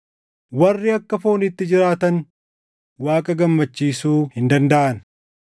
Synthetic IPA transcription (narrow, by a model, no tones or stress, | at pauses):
wɐrːɪɐkːɐfoːnɪt̪ːɪd͡ʒɪɾaːt̪ɐn | waːkʼɐɡɐmːɐt͡ʃːiːsuːhɪnd̪ɐnd̪ɐʔɐn